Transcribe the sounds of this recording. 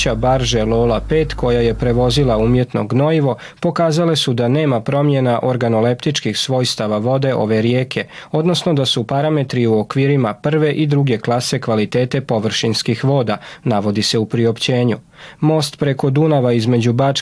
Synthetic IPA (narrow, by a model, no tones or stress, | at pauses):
abaɾʒelˠo̞ːlˠape̞ːt̪ko̞jaje̞pɾe̞ʋo̞zilauːmje̞t̪no̞̰ɡno̞iʋo̞ | po̞kaːzale̞sud̪ane̞ːmapɾo̞mje̞naʔo̞ɾɡano̞le̞pt̪it͡ʃkixsʋo̞jst̪aʋaʋo̞d̪e̞ʔo̞ʋe̞ɾje̞ːkʰe̞o̞d̪no̞sno̞d̪asupaɾame̞t̪ɾiuokʋiːɾimapr̩ʋe̞ʔid̪ɾuɡe̞klˠase̞kʋalit̪e̞ːt̪e̞po̞ʋr̩ʃinskixʋo̞ːd̪anaʋo̞d̪ise̞upɾio̞pt͡ɕe̞ːɲu | mo̞ːst̪pɾe̞kod̪unaʋaizme̞d͡ʑubat͡ʃ